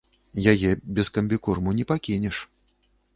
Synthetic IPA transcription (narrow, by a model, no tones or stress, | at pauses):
jajɛbʲɛskɐmʲbʲikurmunʲɛpakʲinʲɛʂ